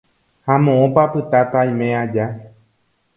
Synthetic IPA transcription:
hamõʔõpapɨt̪at̪ajmẽad͡ʒa

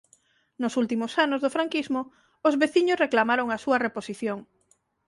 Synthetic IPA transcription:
nʊsult̪imosanozðofɾaŋkizmo | ozβeθiɲʊsreklamaɾoŋasuɐreposiθjoŋ

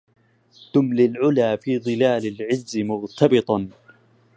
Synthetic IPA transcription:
t̪ʊmlɪlʕʊlaːfiːðˤɨlaːlɪlʕɪzːɪmʊɾt̪ʰɑbɨt̪ˤɑ

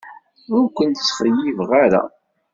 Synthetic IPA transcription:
ʊɾkʷːənt̪sχəjːivʁaɾa̰

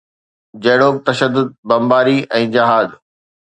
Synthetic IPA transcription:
d͡ʑɐɦɽoːk̚t̪ɐʃəd̪ːʊd̪̚bɐ̃mbaːɾiɛ̃ːd͡ʑɐɦaːz

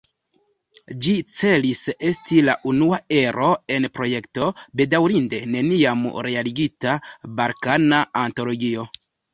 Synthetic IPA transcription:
d͡ʒit͡se̞lise̞stilaʔunuae̞ɾo̞e̞npɾo̞je̞kto̞be̞dawɾinde̞ne̞niamɾe̞aliɡitabaɾkanaanto̞lo̞ɡio̞

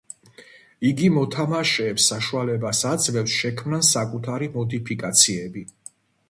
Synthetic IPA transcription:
iɡimɔt̪ʰamaʃɛːpsːaʃualɛbasad̪zvɛfsʃɛkʰmnansakʼut̪ʰaɾimɔd̪ipʰikʼat̪sʰiɛbi

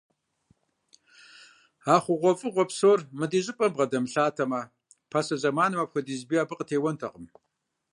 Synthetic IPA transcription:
aːχʷʊʁʷɔfʼɨʁʷɔpsoːrmɨdiːʑʼɪpʼɐbʁɐdɐmɬaːtʰɐmɐ | pʰasɐʑɐmaːnɨmɐpxʷɐdiːzbiːaːbɨqʼətʰeːwɐntʰɐqʼəm

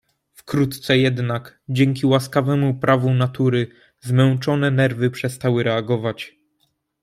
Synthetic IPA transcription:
fkɾut̪t̪sɛjɛd̪nakd͡ʑɛŋkʲiwaskavɛmupɾʔavunat̪uɾɘ | zmɛwt͡ʂɔnɛnɛɾvɘpʂɛst̪awɘɾɛaɡɔvat͡ɕ

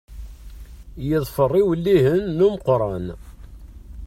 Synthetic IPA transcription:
jəðˤfərˤːiwlːihənːuməqɾˤɑn

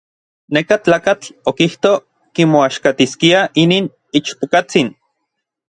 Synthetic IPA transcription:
nekat͡ɬaːkat͡ɬokiht̪o | kimoaʃkat̪iskiaʔiniːn | it͡ʃpokat͡sin

